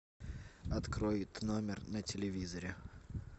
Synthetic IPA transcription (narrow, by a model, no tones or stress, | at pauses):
ɐt̪kɾojɪt̪no̞mʲɪrnətʲɪlʲɪvʲizəɾʲɪ